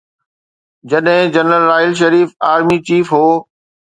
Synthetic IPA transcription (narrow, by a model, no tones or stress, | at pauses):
d͡ʑɐɗɦɪ̃d͡ʑɐnɾəlːaːɪlʃ̬ɐɾiːfaːɾmit͡ɕiːfɦoː